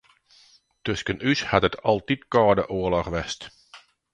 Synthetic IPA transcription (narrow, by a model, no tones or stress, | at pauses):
tøskənyshatətʰɑlˠtitkɔːdəʔoəlɑχʋɛst